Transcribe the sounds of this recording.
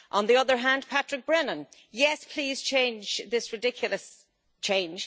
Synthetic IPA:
ʔə̃nðiʌðə˞ɦæ̃ndpʰat͡ʃɹ̥ɨk̚b̥ɹɛnə̃n | jɛspʰl̥iːz̥t͡ʃʰẽɪ̃nd͡ʒðɪsɹɨdɪkʰjʊl̩ˠəs | t͡ʃʰẽɪ̃nd͡ʒ̥

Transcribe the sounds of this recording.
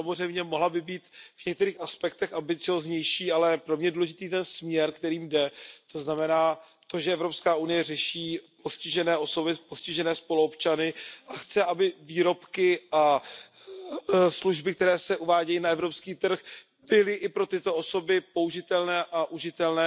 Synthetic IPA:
samozr̝ɛjmɲɛmoɦlabɪbiːt̪vɲɛkt̪ɛɾiːxaspɛkt̪ɛxambɪt͡sɪozɲɛjʃiːalɛpɾo̞mɲɛduːlɛʒɪt̪iːt̪ɛnsmɲɛɾkt̪ɛɾiːmdɛt̪o̞znamɛnaː | t̪o̞ʒɛɛvɾo̞pskaːunɪjɛrɛʃiːpo̞scɪʒɛnɛːʔo̞so̞bɪpo̞scɪʒɛnɛːspo̞luopt͡ʃanɪʔaxt͡sɛʔabɪviːɾo̞pkɪʔa | sluʒbɪk̚t̪ɛɾɛːsɛʔuvaːɟɛjinaɛvɾopskiːt̪r̩x | bɪlɪʔɪpɾo̞t̪ɪt̪o̞o̞so̞bɪpo̞uʒɪt̪ɛlnɛːʔaʔuʒɪt̪ɛlnɛː

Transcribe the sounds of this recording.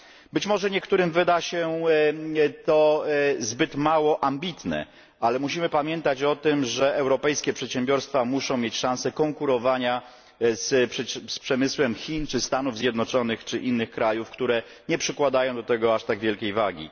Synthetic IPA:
bɘt͡ɕmɔʐɛɲɛkt̪uɾɘmvɘd̪aɕɛ | t̪ɔzbɘt̪mawɔʔambʲit̪nɛ̰ | alɛmuɕimɘpamʲjɛnt̪at͡ɕɔt̪ɘmʐɛɛwɾɔpɛjskʲɛpʂɛt̪ɕɛmbʲjɔɾst̪famuʂɔ̃w̃mʲet͡ɕʂãw̃sɛkɔŋkuɾɔvaɲa | sspʂɛmɘswɛmxʲint͡ʂɘst̪anuvzʲjɛd̪nɔt͡ʂɔnɘxt͡ʂɘʔinːɘxkɾajufkt̪uɾɛ | ɲɛpʂɘkwad̪ajɔ̃w̃d̪ɔt̪ɛɡɔaʂt̪aɡvʲjɛlkʲejvaɡʲḭ

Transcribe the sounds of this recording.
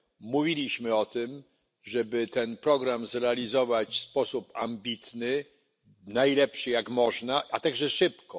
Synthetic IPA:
muvʲilʲiɕmɘɔt̪ɘm | ʐɛbɘt̪ɛnpɾɔɡɾamzɾɛalʲizɔvat͡ɕspɔsupa̰mbʲit̪nɘ | najlɛpʂɘjakmɔʐnaʔat̪aɡʐɛʂɘpkɔ

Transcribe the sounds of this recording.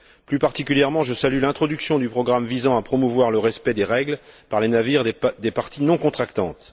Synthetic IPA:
plypaʁt̪ikʲyljɛʁmɑ̃ʒəsalylɛ̃t̪χɔd̪yksjɔ̃d̪ypχɔɡʁamvizɑ̃apχɔmuvwaʁləʁɛspɛd̪eʁɛɡlpaʁlenaviʁd̪epaʁt̪inɔ̃kɔ̃t̪χakt̪ɑ̰̃t̪

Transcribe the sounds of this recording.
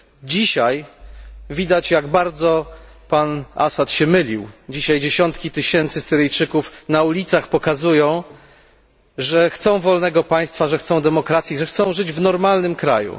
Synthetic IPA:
d͡ʑiɕaj | vʲid̪at͡ɕjaɡbaɾd̪zɔpana̰sat̪ɕɛmɘlʲiwd͡ʑiɕajd͡ʑeɕɔnt̪kʲit̪ɘɕɛnt̪sɘsɘɾɘjt͡ʂɘkufnaulʲit̪saxpɔkazujɔ̃w̃ | ʐɛxt̪sɔ̃w̃vɔlnɛɡɔpaj̃st̪faʐɛxt̪sɔ̃w̃d̪ɛmɔkɾat̪sʲjiʐɛxt̪sɔ̃w̃ʐɘd͡ʑvnɔɾmalnɘmkɾajṵ

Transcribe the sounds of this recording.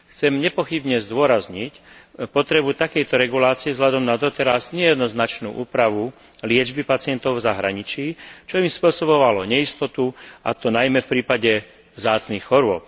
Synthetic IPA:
xt͡sɛmɲɛpɔxibɲɛzd̪ʊɔɾazɲic | pɔt̪ɾɛbut̪akɛjt̪ɔɾɛɡulaːt͡siɛvzɦʎad̪ɔmnad̪ɔt̪ɛɾazɲɛjɛd̪nɔznat͡ʃnṵːʔuːpɾaʋu | lɪɛd͡ʒbipat͡sɪɛnt̪ɔʊvzaɦɾaɲit͡ʃiːt͡ʃɔimspʊɔsɔβɔʋalɔɲɛist̪ɔt̪ua̰t̪ɔnajmɛfpɾiːpaɟɛ | vzaːt͡snixxɔɾʊɔp̚

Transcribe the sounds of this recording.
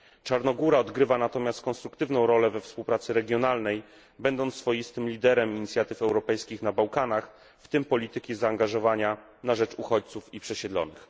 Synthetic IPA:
t͡ʂaɾnɔɡuɾaɔd̪ɡɾɘvanat̪ɔmʲjast̪̚kɔnst̪ɾukt̪ɘvnɔ̃w̃ɾɔlɛvɛfspuwpɾat̪sɘɾɛɡʲjɔnalnɛj | bɛnd̪ɔnt̪ːfɔjist̪ɘmlʲid̪ɛɾɛmiɲit̪sʲjat̪ɘfɛwɾɔpɛjskʲixnabawkanax | ft̪ɘmpɔlʲit̪ɘkʲizaːŋɡaʐɔvaɲanaʐɛt͡ʂuxɔt͡ɕt̪sufipʂɛɕɛd̪lɔ̰nɘ̰x

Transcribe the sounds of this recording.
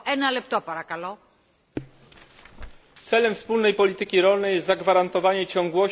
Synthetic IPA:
ɛnɐlɛp̚t̪opɐɾɐkɐlo | t̪sɛlɛmfspulnɛjpɔlʲit̪ɘkʲiɾɔlnɛjɛst̪zaɡvaɾant̪ɔvaɲɛt͡ɕɔŋɡwɔ

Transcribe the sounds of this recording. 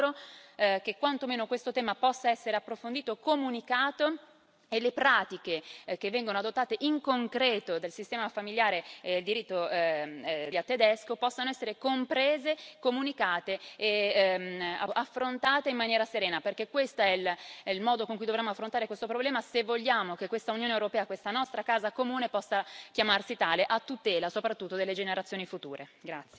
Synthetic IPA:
ɾok̟ekwant̪omeːnokwest̪ot̪ɛːmapɔsːaɛsːeɾeapːɾofond̪iːt̪okomunikaːt̪o | elepɾaːt̪ikek̟evːɛŋɡonoad̪ot̪ːaːt̪eʔiŋkoŋkɾɛːt̪od̪elsist̪ɛːmafamiljaːɾeːd̪eld̪iɾit̪ːo | iat̪ːed̪ɛskopɔsːanoɛsːeɾekompɾeːzekomunikaːt̪eː | aafːɾont̪aːt̪eimːanjɛːɾaseɾɛːnaperk̟ekːwest̪oɛllmɔːd̪okoŋkujd̪ovɾemːoafɾont̪aːɾekwest̪opɾoblɛːmasevːoʎːaːmokekːwest̪aunjoːnewɾopɛːakwest̪anɔst̪ɾakaːzakomuːnepɔsːakjamarsit̪aːleʔat̪ːut̪ɛːlasopɾat̪ːut̪ːod̪elːed͡ʒeneɾat̪sjoːnifut̪uːɾʔeɡɾat̪sje

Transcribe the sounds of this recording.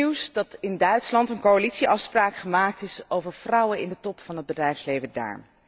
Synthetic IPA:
iwsdɑtɪndœɥtslɑntənkoalitsiʔɑfspraːkχəmaːk̚tɪsowvəɹv̥rʌwənɪndətɔpfɑnɦəd̚bədrɛjfslejvəda̰ːɹm

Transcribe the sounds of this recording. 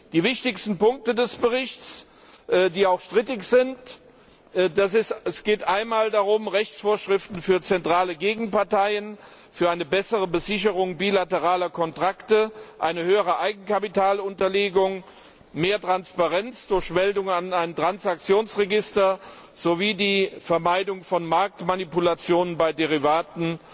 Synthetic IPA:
d̥iːvɪçtɪkstn̩pʊŋk̚tədɛsb̥əʁɪçt͡s | ʔːdiːaʊxʃtʁ̥ɪtɪçz̥ɪnt | ʔdasɪsɛsɡ̥eːtʔaɪnmaːldaʁʊmʁɛçt͡sfoːɐʃʁ̥ɪftn̩fyːɐt͡sɛntʁ̥aːləɡeːɡŋ̩paɐtaɪən | fyːɐʔaɪnəbɛsəʁəbəzɪçəʁʊŋbiːlatəʁaːlɐkʰɔntʁ̥aktəʔaɪnəhøːəʁəʔaɪɡŋ̩kʰapitʰaːlʊntɐleːɡʊŋ | meːɐtʁ̥anspaʁɛnt͡sd̥ʊɐçmɛldʊŋanaɪntʁ̥ansak̚t͡sjoːnsʁɛɡɪstɐ | z̥oviːdiːfɛɐmaɪdʊŋfɔnmaɐk̚tmanipulat͡sjoːnənbaɪdeʁ̞ivaːtn̩

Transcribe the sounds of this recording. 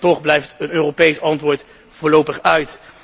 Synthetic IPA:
tɔχblɛjftənøːrowpejsɑntʋʊːɹt | v̥ʊːɹlowpəχœɥt

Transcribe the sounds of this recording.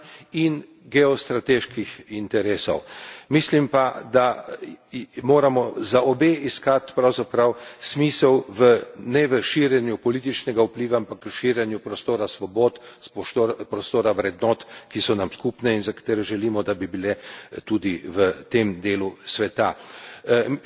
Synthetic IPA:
in | ɡɛɔst̪ɾat̪eʃkixint̪ɛɾeːsɔ̰wmislimpad̪a | moːɾamɔzaɔbeiskat̪pɾawzapɾawsmiːsɛwʋənɛʋəʃiːɾjɛnjupɔliːt̪̬it͡ʃnɛɡaupliːʋaampakːəʃiːɾjɛnjupɾɔst̪oːɾasʋɔboːt̪p̪ːpɾɔst̪oːɾaʋɾɛd̪nɔt̪kisɔnamskupnɛinzakḁt̪eːɾɛʒɛliːmɔd̪abibilɛt̪ud̪iʋət̪emd̪eːlusʋɛt̪a

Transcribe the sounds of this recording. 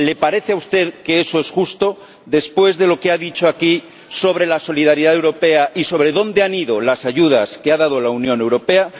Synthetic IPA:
le̞paɾe̞θeawst̪e̞ðke̞eso̞esxust̪o̞ | ðe̞spwe̞zðe̞lo̞keaðit͡ʃoaki | so̞β̞ɾe̞laso̞liðaɾiðaðewɾo̞pe̞aʔiso̞β̞ɾe̞ðõ̞nd̪eaniðo̞lasaʝuðaskeaðaðolaunjõne̞wɾo̞pe̞a

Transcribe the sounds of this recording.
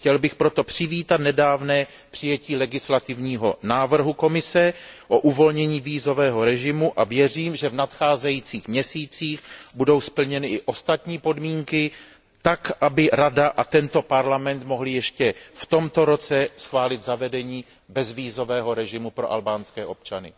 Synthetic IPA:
xcɛlbɪxpɾo̞t̪o̞pr̝̥ɪviːt̪at̪nɛdaːvnɛː | pr̝̥ɪjɛciːlɛɡɪslat̪ɪvɲiːɦo̞naːvr̩ɦuko̞mɪsɛʔo̞ʔuvo̞lɲɛɲiːviːzo̞vɛːɦo̞ɾɛʒɪmuʔavjɛr̝iːmʒɛvnat̪xaːzɛjit͡siːxmɲɛsiːt͡siːxbudo̞wspl̩ɲɛnɪʔɪʔo̞st̪at̪ɲiːpo̞dmiːŋkɪ | t̪akʔabɪɾadaʔat̪ɛnt̪o̞paɾlamɛnt̪moɦlɪjɛʃcɛft̪o̞mt̪o̞ɾo̞t͡sɛsxvaːlɪt̪zavɛdɛɲiː | bɛzviːzo̞vɛːɦo̞ɾɛʒɪmupɾo̞ʔa̰lbaːnskɛːʔo̞p̚t͡ʃanɪ̰

